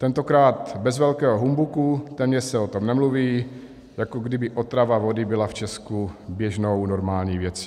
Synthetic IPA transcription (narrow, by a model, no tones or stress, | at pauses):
t̪ɛnt̪o̞kɾaːt̪bɛzvɛlkɛːɦoɦumbukut̪ɛmɲɛsɛot̪o̞mnɛmluviː | jakoɡdɪbɪʔo̞t̪ɾavavo̞dɪbɪlaft͡ʃɛskubjɛʒno̞wno̞ɾmaːlɲiːvjɛt͡si̥